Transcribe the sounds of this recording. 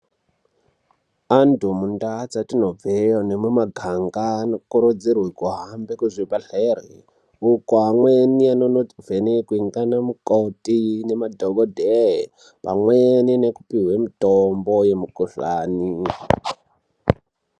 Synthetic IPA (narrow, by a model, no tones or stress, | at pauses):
antumundat͡satinovejonemwemaɡʱaŋɡanokuɾud͡zirwikuɦambekuzipaɬerḭ | ukoɦamwenianonovʱenikuiŋɡanamukotinemadʱoɡodʱeɦ | pa̰mweninekupiɦwemitombojemukuɬaːni